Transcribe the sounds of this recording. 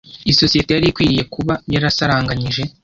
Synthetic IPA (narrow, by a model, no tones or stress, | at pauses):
iso̞sijete̞jaɾikwiːije̞kuβajaɾasaɾaːŋɡaɲiʒe̞